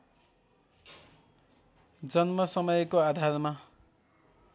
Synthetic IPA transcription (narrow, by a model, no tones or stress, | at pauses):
d͡zʌnmʌsʌmʌjkoad̪ʱarma